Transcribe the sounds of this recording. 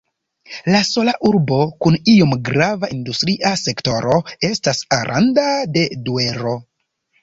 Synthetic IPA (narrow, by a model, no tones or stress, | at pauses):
laso̞laʔuɾbo̞kuniomɡɾavaʔindustɾiʔase̞kto̞ɾo̞e̞stasaɾʔa̰ndade̞due̞ɾo̞